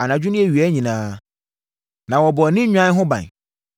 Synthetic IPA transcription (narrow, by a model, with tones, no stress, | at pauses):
a˨nã˨d͡ʑᶣu˦nʊ̃˦ɛ˦˨ɥi˨ɛ˦ɲĩ˨nãː˦ | nã˨wɔ˨bɔ˨nɪ̃˦ɲᶣã˦n˦ɦʊ̃˦bã̰˨n